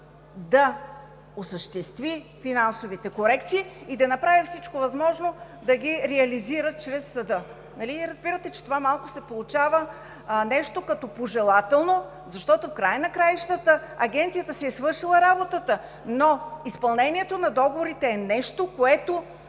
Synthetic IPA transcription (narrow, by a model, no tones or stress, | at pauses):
d̪ɐ | osəʃt̪ɛst̪vifinansovit̪ɛkoɾɛkt̪siːd̪ɐnɐpɾavifsit͡ʃkovɐzmɔʒno | d̪ɐɡʲiɾɛɐliziɾət̪̚t͡ʃɾɛsːɐd̪ɤ | nɐliɾɐzbiɾət̪ɛt͡ʃɛ̥t̪ovamalˠkʊ̥sɛpolˠut͡ʃavə | nɛʃt̪okɐt̪ɔpoʒɛlˠat̪ɛlˠno | zɐʃt̪ɔt̪ofkɾajənɐkɾajʃt̪ət̪əɐɡʲɛnt̪sijət̪əsɛsvɤɾʃilˠəɾabot̪ət̪ə | noispɐlˠnɛniɛt̪onɐd̪ɔɡovoɾit̪ɛːnɛʃt̪okoɛt̪o